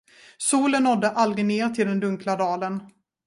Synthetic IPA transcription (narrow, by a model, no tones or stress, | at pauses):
suːlənːɔd̪ːəʔalɡɪneːɾt̪ʰɪld̪ɛnd̪ɵŋklad̪ɑːlən